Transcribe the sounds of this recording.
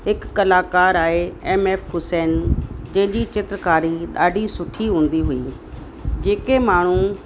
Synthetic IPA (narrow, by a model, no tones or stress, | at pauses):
ɦɪkːɐlaːkaːɾaːeeːmeːfɦʊsɛːnd͡ʑɐ̃ɦɪ̃ɲd͡ʑit͡ɕɪt̪ɾəkaːɾiɗaːɖʱisʊʈʰiɦũːn̆d̪iɦʊiː | d͡ʑeːkemaːɳ̤ũ